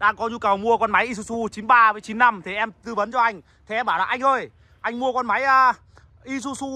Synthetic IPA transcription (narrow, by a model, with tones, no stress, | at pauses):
ɗaː˧ŋkɔ˨˦ɲu˧kə˨˩wmu˧əkɔ˧nma˨˦jʔi˧su˧su˧t͡ɕi˨˦nɓaː˧vəː˨˦jt͡ɕi˨˦nːa˧mt̪ʰe˨˩ʔɛ˧mt̪ɨ˧və˨˦nt͡ɕɔ˧ʔa˧jŋ̟ | t̪ʰe˨˩ʔɛ˧mɓaː˧˩wlaː˨˩ʔa˧jŋ̟ʔəː˧˩j | ʔa˧jŋ̟mu˧əkɔ˧nma˨˦jʔaː˧˩ | ʔi˧su˧su˧